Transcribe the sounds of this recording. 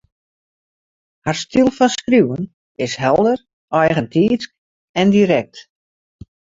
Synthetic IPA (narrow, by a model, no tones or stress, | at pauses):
harstilˠfɔnskrjuwən | ɪsɦɛlˠdər | ɔjɣəntʰiːt͡sk | ɛndiɾɛk̚t